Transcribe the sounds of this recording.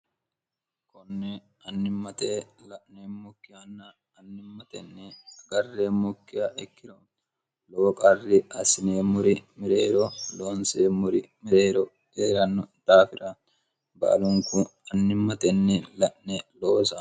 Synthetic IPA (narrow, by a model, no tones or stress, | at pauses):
kɔnːɛ | ɐnːɪmːɐt̪elɐʔnemːʊkːɪjɐnːɐ | ɐnːɪmːɐt̪ɛ̰nːɛɐɡɐrːemʊkːɪjɐʔɛkːɪɾɔ | lowɔkʼɐrːɪɐsɪneːmʊɾɪmɪɾeːɾɔloːnseːmʊɾɪmɪɾeːɾɔ̥ | eːɾɐnːɔd̪̥aːfɪɾɐ | bɐ̰ʔɐ̰lʊŋkʊɐnːɪmːɐt̪ɛnːɛlɐʔnɛloːsɐ